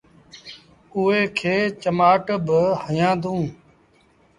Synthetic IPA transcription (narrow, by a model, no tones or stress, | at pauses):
uːɦeːkʰeːt͡ʃəmaːʈəbəhəjãːd̪ũː